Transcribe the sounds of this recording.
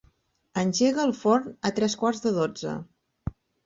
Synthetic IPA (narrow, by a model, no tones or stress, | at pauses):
ənʲʒeɣəːlˠfɔɾnət̪ɾɛskwaɾzðəðod͡zə̰